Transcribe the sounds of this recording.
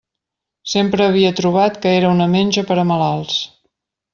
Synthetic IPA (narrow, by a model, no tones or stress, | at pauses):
sempɾəːβ̞iət̪ɾuβ̞at̪kəeɾəunəmenʲʒəpəɾəməlalˠs